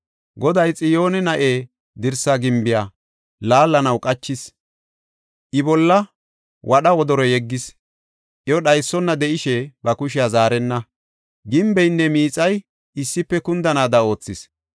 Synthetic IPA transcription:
ɡɔd̪ɐjt͡sʼɪjo̞ːnɛnɐʔeː | d̪ɪɾsaɡɪmbɪjaː | laːlːɐnɐwkʼɐt͡ʃːɪs | ʔɪbɔlːɐ | wɐɗɐwɔd̪ɔɾɔjɛɡːɪs | ʔjɔɗɐjsːɔnːɐd̪ɛʔɪʃɛbɐkʊʃ̬ɪjaːzaːɾɛnːɐ | ɡɪmbɛjnːɛmiːt͡sʼɐj | ɪsːɪpːɛkʊnd̪ɐnaːd̪ɐo̞ːt͡sːɪs

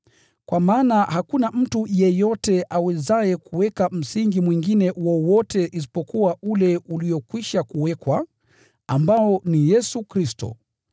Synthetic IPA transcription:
kwamaːnahakunam̩tujɛjɔtɛʔawɛzajɛkuwɛkam̩siŋɡimwiŋɡinɛwɔwɔtɛʔis̬i̥pɔkuwaulɛuliɔkwiʃakuwɛkwa | ambaɔnijɛsukɾistɔ̰

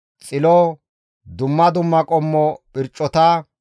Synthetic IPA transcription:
t͡sʼɪlɔ | d̪ʊmːɐd̪ʊmːɐkʼɔmːɔpʼɪɾt͡ʃʼːɔt̪a

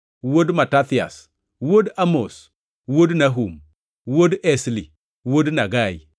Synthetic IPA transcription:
wodmatat̪ia̰s | wodamos | wodnaɦum | wodɛsli | wodnaɡai

